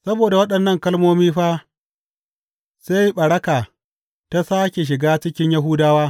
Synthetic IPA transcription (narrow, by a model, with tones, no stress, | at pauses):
sɐ˦boː˨da˨wɐ˦ɗɐ˨nːɐ˦˨ŋkɐ˦lmoː˦miː˦ɸaː˦ | se˦jɓɐ˨ɽɐ˦kaː˨ | ta˦saː˦kʲe˨ʃ̬ɪ˨ɡaː˦t͡ʃɪ˦kʲɪ˦ɲjɐ˦ɦʊː˦daː˦waː˦